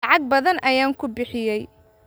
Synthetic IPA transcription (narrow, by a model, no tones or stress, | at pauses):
ʕɑɡ̚bɐðɐnʔɐjaːŋkʰʊbɪħɪjɛj